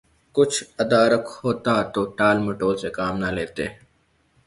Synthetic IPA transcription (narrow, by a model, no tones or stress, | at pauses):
kʊt͡ʃʰəd̪aːɾəkhoːt̪at̪oːʈaːlməʈoːlsekaːmnaleːt̪eː